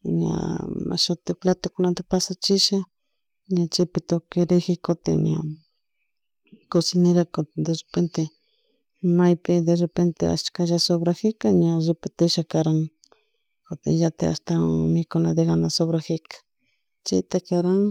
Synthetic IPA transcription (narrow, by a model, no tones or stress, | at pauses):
ɲa̰ma̰ʃot̪eplat̪okʊnad̪epasat͡ʃɪʃa | ɲat͡ʃɪpɪt̪okeɾexɪkot̪ḛɲa̰ | kosɪneɾakod̪erepent̪e | majpɪd̪erepent̪ea̰t͡ʃkaʒasoβɾaxɪkaɲaʐepɪt̪ɪʃakaɾaŋ | kot̪ḛjat̪ea̰st̪amɪkonad̪eɣanasoβɾaxɪkḁ | t͡ʃɪ̰t̪akaɾaŋ